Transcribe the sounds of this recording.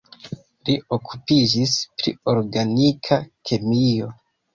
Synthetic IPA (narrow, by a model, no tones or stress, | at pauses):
lio̞kupid͡ʒispɾḭo̞ɾɡanikʰakʰe̞mijo̞